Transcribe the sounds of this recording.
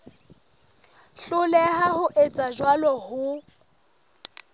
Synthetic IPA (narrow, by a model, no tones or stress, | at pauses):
ɬʊlɛɦahʊʔet͡sʼaʒwalɔhʊ